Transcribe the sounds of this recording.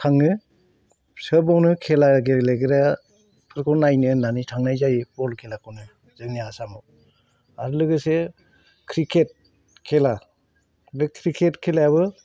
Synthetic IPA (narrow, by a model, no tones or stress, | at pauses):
tʰaŋɯ | səbawnɯkʰelaɡeɾeleɡɯɾa | pʰɯɾkʰɔɾnajnɯnanitʰaŋnajzajipɔlkʰelakʰɔwnɯ | z̥ɯŋniasamɔ | aɾlɯɡɯse | kʰɾikʰet̚ | kʰela | bɯkʰɾikʰetkʰelaabɯ